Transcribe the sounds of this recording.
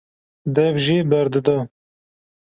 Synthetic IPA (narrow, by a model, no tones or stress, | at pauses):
d̪ɛvʒiːbɐɾd̪ɨd̪ɐ